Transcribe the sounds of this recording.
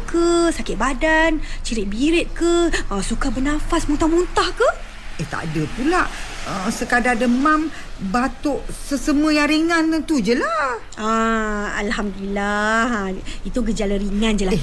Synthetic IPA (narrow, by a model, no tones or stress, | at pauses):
kəsakɪt̪ʔ̚badant͡ʃiɾɪʔ̚biɾɪt̪̚kəasukabənafasmunt̪amunt̪ahkə | əht̪a̰ʔdəpulaʔəsəkadadəmam | bat̪oʔsəsəməjaɾiŋant̪ud͡ʒəla | aa̰lhamdilahait̪uɡəd͡ʒaləɾiŋãnd͡ʒəla